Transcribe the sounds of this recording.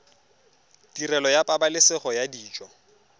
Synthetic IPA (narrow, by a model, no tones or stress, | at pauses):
tirɛlɔjapʼabalɪsɪχɔjadiːt͡ʃʼɔ